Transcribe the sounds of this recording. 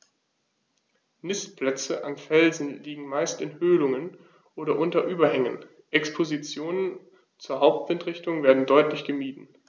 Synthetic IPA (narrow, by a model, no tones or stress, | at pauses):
nɪstpʰl̥ɛt͡səʔanfɛlzn̩liːɡŋ̩maɪstɪnhøːlʊŋən | ʔoːɾɐʔʊntɐʔyːbɐhɛŋən | ʔɛkspʰozit͡sjoːnən | t͡suːɐɦaʊp̚tv̥ɪntʁ̥ɪçtʊŋveːɐdn̩dɔʏtlɪçɡ̥əmiːdn̩